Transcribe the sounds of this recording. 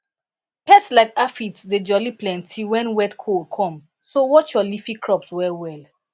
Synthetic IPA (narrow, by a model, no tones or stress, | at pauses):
pɛslaɪkafitded͡ʒɔliplɛ̃ntʰiwɛ̃nwɛtkʰolkʰɔ̃m | sowɔt͡ʃjɔlifĩkʰɹɔpswɛwɛl